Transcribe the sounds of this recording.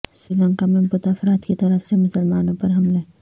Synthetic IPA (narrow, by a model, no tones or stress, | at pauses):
sɾiːlə̃ŋkamẽbʊt̪afɾaːt̪kit̪ɐɾəfsemʊsəlmaːnõpɐɾɦɐmlɛ̃ː